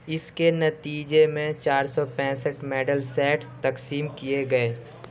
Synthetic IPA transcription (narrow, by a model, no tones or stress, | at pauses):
ɪskenɐt̪iːd͡ʒemẽt͡ʃaːɾsɔpɛ̃ːsəʈmɛːɖəlsɛːʈst̪ɐksiːmkieɡɐeː